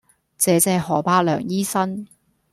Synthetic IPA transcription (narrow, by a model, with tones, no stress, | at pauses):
t͡sɛː˨˧t͡sɛː˨˧hɔː˨˩paː˧lœ̰ː˨˩ŋjiː˥sɐ˥n